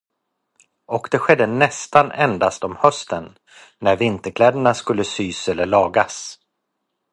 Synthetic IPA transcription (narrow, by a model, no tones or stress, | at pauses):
ɔkd̪ɛɧɛd̪ːənɛst̪anɛ̰nd̪ast̪ɔmhœst̪ənː | æɾvɪnt̪əɾkʰlɛːd̪əɳaskɵlːəsyːsɛlːəɭɑːɡas